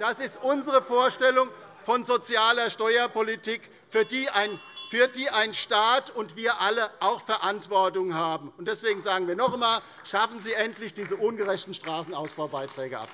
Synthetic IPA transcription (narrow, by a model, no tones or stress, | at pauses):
d̥asɪstʔʊnzəʁəfoːɐʃtɛlʊŋ | fɔnzot͡sjaːlɐʃtɔʏɐpʰolitiːk | fyːɐdiːʔaɪnfyːɐdiːʔaɪnʃtaːtʊntv̥iːɐʔaləʔaʊxfɛɐʔantv̥ɔɐtʊŋhaːbm̩ʊnt̚d̥ɛsv̥eːɡŋ̩zaːɡŋ̩viːɐnɔχmaːl | ʃafn̩ziːʔɛntlɪçd̥iːzəʔʊnɡəʁɛçtn̩ʃtʁ̥aːsn̩aʊsb̥aʊbaɪtʁ̥ɛːɡəʔa̰p̚